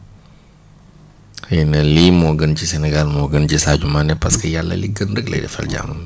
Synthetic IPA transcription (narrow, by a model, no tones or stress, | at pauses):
hnɐlimoɡənt͡ʃisenɛɡalmoɡɐnt͡ʃisad͡ʒumanɛpɐskɐjalːɐ̰liɡəndəɡlɐ̰də̰fɐ̰ld͡ʒa̰mɐm